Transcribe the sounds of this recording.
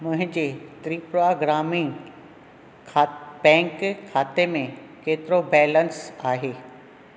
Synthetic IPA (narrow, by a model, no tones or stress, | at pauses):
mʊ̃ɦɪ̃d͡ʑeːt̪ɾiːpɾʊaɡɾaːmĩ | bɛ̃ːŋkkʰːaːt̪emẽkeːt̪ɪɾobɛːlənsaːɦeː